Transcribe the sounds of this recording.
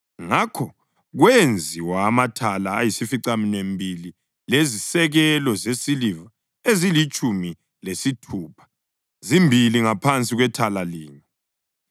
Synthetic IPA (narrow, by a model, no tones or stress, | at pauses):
ŋakʰɔ | ɣwend͡zʱiwaːmatʰalaːjisifiǀaminembʱili | lezisɛɣɛlɔzesiliva | ezilit͡ʃʼumi | lesitʰuːpʰḁ | zimbʱiliŋapʰant͡sʼiɣwɛtʰalaliːɲɛ